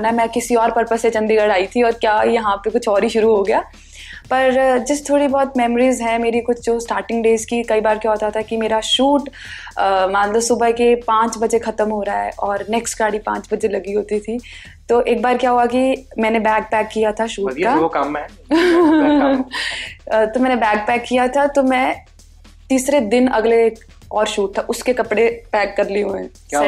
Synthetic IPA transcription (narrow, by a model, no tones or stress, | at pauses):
namɛ̃ːkɪsiɔːɾpɐɾpəset͡ʃɐ̃nd̪iɡɐɽaːit̪ʰiɔːɾkjaːjɐɦãpekʊt͡ʃʰɔːɾiʃʊɾuɦoɡɐjaː | pɐɾd͡ʒɐst̪ʰoːɽibɔːt̪mɛːmɾiːzɦɛ̃meːɾikʊt͡ʃʰd͡ʒoːsʈaːɾʈɪ̃ŋɡɖeːzkikɐibaːɾkjaɦoːt̪at̪ʰakimeːɾaʃuːʈː | mɐnt̪ləbsʊbəɦkepãːt͡ʃbɐd͡ʒexɐt̪əmɦoɾaɦɛ̰ʔɔːɾnɛːksʈɡaːɽipãːt͡ʃbɐd͡ʒelɐɡiɦoːt̪it̪ʰi | t̪oʔeːk̚baːɾkjaɦuakimɛ̃ːnebɛːɡ̚pɛːkːijat̪ʰaʃuːkaokɐmɛ | t̪omɛ̃ːnebɛːɡ̚pɛːkːijat̪ʰat̪omɛ̃ː | t̪iːsɾed̪ɪnɐɡleːk | ɔːɾʃuːʈ̚t̪ʰaʔʊskekɐpɽepɛːkːɐɾliũmɛ̃ː